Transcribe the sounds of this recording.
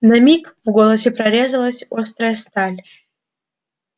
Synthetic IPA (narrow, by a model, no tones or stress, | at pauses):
nɐmʲikvɡolˠəsʲɪpɾɐɾʲezəlˠəsʲost̪ɾəjəst̪alʲ